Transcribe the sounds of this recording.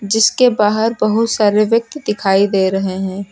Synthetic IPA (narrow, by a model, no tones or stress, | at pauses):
d͡ʒɪskebaːɦəɾbɐɦʊt̪saːɾeʋjək̚t̪d̪ɪkʰaːid̪eːɾɐɦeɦɛ̃ː